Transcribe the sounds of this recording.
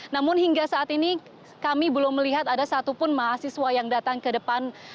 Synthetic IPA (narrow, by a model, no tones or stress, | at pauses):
namʊnhiŋɡasaʔːt̪ini | kamibəlʊmːəliɦat̪adasat̪upʊnmaɦasiswajaŋdat̪aŋkədəpan